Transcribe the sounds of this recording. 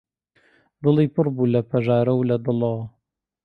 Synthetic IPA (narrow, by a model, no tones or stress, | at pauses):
d̪ɨliːpʰɨɾbuːlɐpʰɐʒaːɾɐwlɐd̪ɨlɐwɐ